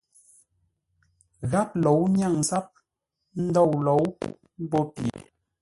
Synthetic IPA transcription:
ɣa˦p̚lo˨˦wɲ˦a˦˨ŋsa˦p̚ | n̩˦dɔ˦˨wlo˨˦w | m˦bɔ˦pjḛ˨

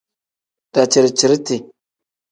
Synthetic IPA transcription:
d̥a˨t͡ʃi˨ɾt͡ʃi˨ɾti˨

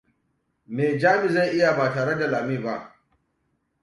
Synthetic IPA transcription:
meː˨d͡ʒaː˦mɪ˨za˦˨ʔɪ˦ja˨baː˨taː˨ɽɛ˦da˨laː˨miː˦˨ba˦ʔ

